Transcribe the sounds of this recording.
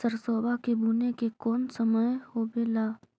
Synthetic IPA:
səɾsɔːbakebuːnekekɔːnsəməjhoːbelaː

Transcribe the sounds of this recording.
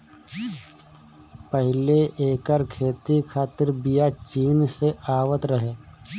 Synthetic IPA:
pəɦɪleʔeːkəɾkʰeːt̪ikʰaːt̪ɪɾbijat͡ʃiːnseaːʋət̪ɾəɦeː

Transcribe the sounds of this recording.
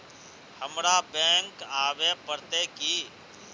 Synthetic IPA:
həmɾabɛ̃ːŋkaːʋepəɾt̪eki

